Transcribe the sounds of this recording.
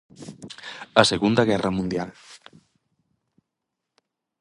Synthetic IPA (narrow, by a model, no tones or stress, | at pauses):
aseɣund̪aɣɛramũnd̪jal